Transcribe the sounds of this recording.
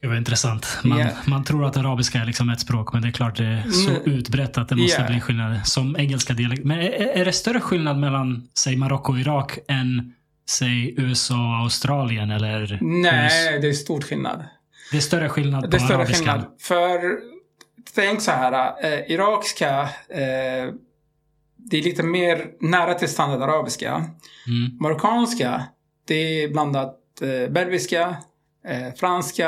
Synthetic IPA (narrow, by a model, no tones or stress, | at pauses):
ɡ̥ʉvaɾɪnt̪ɾɛsant̪manmant̪ʰɾuːɾat̪aɾɑːbɪskaæɾɭɪksɔmɛt̪spɾoːkmɛnd̪ɛːkʰlɑːʈ̚d̪ɛæsɔʔʉ̟ːt̪bɾɛt̪ʰːat̪̚d̪ɛmɔskaliːɧɪlnad̪əsɔmɛŋːɛlskad̪ɪalɛk̚t̪mɛnæɖɛst̪œɾəɧɪlnad̪mɛlːansɛjmaɾɔkːʊɔɪɾɑːkɛn | sɛjʉ̟ːɛsɑːɔaʊst̪ɾɑːlɪənɛlːəɾnɛd̪ɛst̪uːʈɧɪlna̰d̪ | d̪ɛæst̪œɾəɧɪlnad̪d̪ɛtœɾːəɧɪlnad̪fœɾ | t̪ʰɛŋksɔhæːɾaɪɾɑːkɪ̥ska | d̪ɛæɾɭiːt̪əmeːɾnæːɾat̪ʰɪlst̪and̪aɾd̪aɾɑːbɪska̰ | maɾɔkʰɑːnska | d̪̥ɛbland̪at̪ | bɛɾbɪska | fɾanska